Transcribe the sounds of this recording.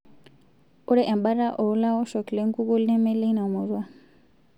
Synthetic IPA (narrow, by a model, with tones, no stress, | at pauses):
u˦ɾɛ˦˨ʔɛ˨mba˦ɾa˦ʔɔ˨˦la˦ɔ˦ʃɔ˨kle˦ŋ˦ku˦ku˦lɛ˦mɛ˦le˦na˨mu˨zwa˦